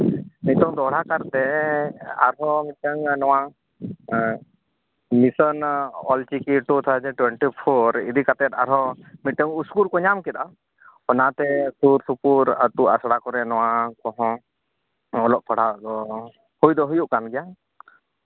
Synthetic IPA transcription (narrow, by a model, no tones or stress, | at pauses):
mit̪ɔŋd̪ɔɽakaɾt̪ɛ | a̰ɾɦɔmiʈəŋnɔwa | misɔnɔlt͡ʃikiʈut̪ʰad͡ʒɛʈwɛɳʈipʰɔɾḭd̪ikat̪ɛt̪a̰ɾɦɔmiʈəŋuskuɾkɔɲamkɛt̪a | ɔnat̪ɛsuɾsupuɾat̪uʔasɽakɔɾɛnɔwakɔ̃ɦɔ̃ | ɔlɔʔ̚pʰɔɽ̤ad̪ɔ | hujd̪ɔɦujuʔkanɡɛja